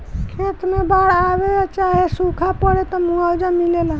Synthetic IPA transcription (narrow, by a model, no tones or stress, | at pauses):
kʰet̪mẽbaɽaʋeat͡ʃaːɦesukʰapəɽet̪ɔmũawd͡ʒamilelã